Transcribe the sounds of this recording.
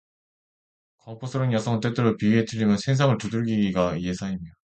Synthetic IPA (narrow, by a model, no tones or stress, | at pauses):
kʰʌmpʰosʰʌɾɯnjasʰʌŋɯt͈etɯɾopiiɦetɯʎːimjʌnsʰeŋs̬ʰaŋɯɭtuduɭɡiɡiɡaje̞sʰaimida